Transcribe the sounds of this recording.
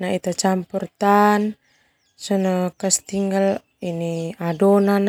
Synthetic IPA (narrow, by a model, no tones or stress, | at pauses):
nait̪at͡ʃampurt̪an | sənakast̪iŋɡal | iniadonan